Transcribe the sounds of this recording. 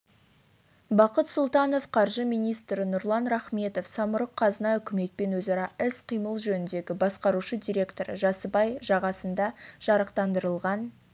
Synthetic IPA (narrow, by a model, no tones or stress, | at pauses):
bɑqət̪sʊlˠt̪ɑno̞fqʰɑɾʒəmijnijst̪ɾɪnʊɾlˠɑnɾaχme̞t̪o̞fsɑmʊɾəqʰːɑzənɑʏkʲɪme̞t̪̚pe̞nwɵzɑɾɑɪsqʰijməlˠʒɵnɪnd̪e̞ɡʲɪbɑsqɑɾuʃəd̪ijɾʲe̞kt̪o̞ɾə̰ʒɑsəbɑjʒɑʁɑsənd̪ɑʒ̥ɑɾəqt̪ɑnd̪əɾəlˠʁɑn